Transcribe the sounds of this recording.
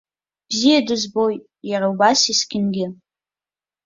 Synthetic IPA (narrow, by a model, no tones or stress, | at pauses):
b̥zijadɨzbo̞j | jaɾawbasisɡʲɪnɡʲɪ